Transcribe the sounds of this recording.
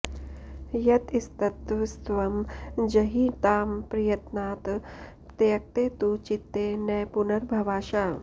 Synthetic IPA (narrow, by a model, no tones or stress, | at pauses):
jɐt̪ist̪ɐt̪st̪ʋɐmd͡ʒɐɦiːt̪aːmpɾijɐt̪naːt̪ | t̪eɐk̚t̪eːt̪ut͡ʃit̪ːeːnɐjpunɐɾbʱɐʋaːʃaː